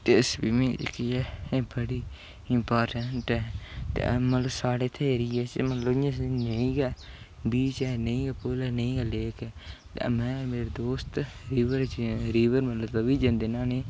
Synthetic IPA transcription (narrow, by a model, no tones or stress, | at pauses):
t̪eɪsbiːmẽːd͡ʒ̰kiɛːeːbəɽiː | ɪmpaːɾʈəɳʈɛːt̪ḛmət̪ləbsaːɽeːt̪ʰeːɾiːɛːt͡ʃmət̪ləbɪjãːsneĩːɡɛː | biːt͡ʃɛːnəĩːɡɛːpʊlɛːnəĩːɡɛːleːkɛːt̪mɛ̃ːmeːɾed̪oːst̪ | ɾiːʋəɾt͡ʃɾiːʋəɾmət̪lət̪aʋiːd͡ʒə̃ːnd̪eːnaːneː